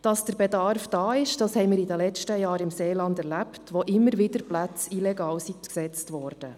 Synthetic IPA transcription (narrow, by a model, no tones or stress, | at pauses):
d̥ɑsd̥əɾbɛdɑɾfd̥ɑːɪʃd̥ɑshɛɪmɪːɾidəlɛt͡ʃtəjɑːɾɪmseːlɑndɛɾlæptʋoʔɪmːəɾʋɪd̥əɾplæt͡silɛɡɑːlsiksɛt͡stʋɔːɾd̥ə